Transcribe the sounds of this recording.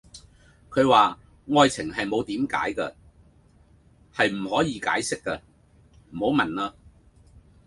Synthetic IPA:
kʰɵ˨˧ɥwaː˨ | ŋɔː˧jt͡sʰɪ˨˩ŋɦɐ˨jmo˨˧wt̪iː˨˥mka̰ː˨˥jkɐ̰˧ | hɐ˨jm̩˨˩hɔː˨˥jiː˨˧kaː˨˥jsɪ˥kːɐ˧ | m̩˨˩ho˨˥wmɐ˨nlaː˧

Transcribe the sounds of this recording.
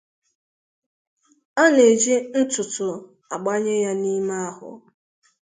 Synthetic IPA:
a˦ne˨d͡ʒi˦n̩˦tʊ˨tʊ˨ | a˨ɡ͡ba˦ɲe˦ja˦ni˦ma˦a˦ɦʊ̰˨

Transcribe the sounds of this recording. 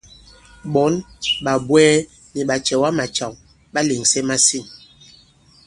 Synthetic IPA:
ɓɔ˨˦nɓa˨bwɛː˦ | ni˨ɓa˨t͡ʃɛ˨wa˦ma˨t͡ʃa˨ŋ | ɓa˦le˨ŋsɛ˦ma˦si˦˨ŋ

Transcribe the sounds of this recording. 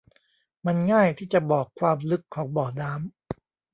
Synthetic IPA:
ma˧nŋaː˥˩jt̪ʰiː˥˩t͡ɕa˨˩bɔː˨˩kʰwaː˧mlɯ˦˥kʰːɔː˩˦ŋbɔː˨˩daː˦˥m

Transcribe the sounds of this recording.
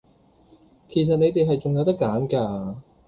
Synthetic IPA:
kʰe˨˩s̬ɐ˨t̚ne˨˧jt̪e˨jɦɐ˨jt͡sʊ˨ŋjɐ˨˧wt̪ɐ˥kːaː˨˥nkaː˧

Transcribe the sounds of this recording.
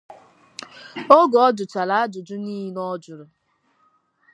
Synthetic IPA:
ɔ˦ɡɔ˨ɔ˦d͡ʒʊ˨t͡ʃa˨la˦a˦d͡ʒʊ˨d͡ʒʊ˦ni˦i˦nɔ˦d͡ʒʊ˨ɾʊ˨

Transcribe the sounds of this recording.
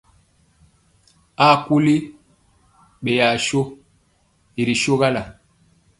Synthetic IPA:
a˦˨ku˦li˦ | ɓe˨ja˨ʃo˦ | i˨ɾi˨ʃo˦ɣa˦la˨

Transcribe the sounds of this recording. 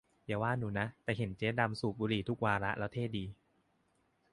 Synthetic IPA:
jaː˨˩˦waː˥˩nuː˩˦na˦˥t̪ɛː˨˩ɦe˩˦nt͡ɕeː˦˥da˧msuː˨˩buː˧ɾliː˨˩t̪ʰu˦˥k̚waː˧ɾa˦˥ʔlʔɛː˦˥wt̪ʰeː˥˩t̚diː˧

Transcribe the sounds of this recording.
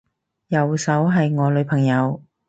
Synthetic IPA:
jɐ˨˩wsɐ˨˥wɦɐ˨jŋɔː˨˧lɵ˨˧ɥpʰɐ˨˩ŋjɐ˨˧w

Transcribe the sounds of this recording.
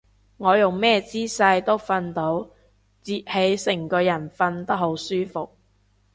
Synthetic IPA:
ŋɔː˨˧jʊ˨˩ŋmɛː˥t͡siː˥sɐ˧jt̪o˥wfɐ˧nt̪o˨˥w | t͡siː˨t̚he˨˥jsɪ˨˩ŋkɔː˧jɐ˨˩nfɐ˧nt̪ɐ˥k̚ɦo˨˥wsyː˥fʊ˨k̚

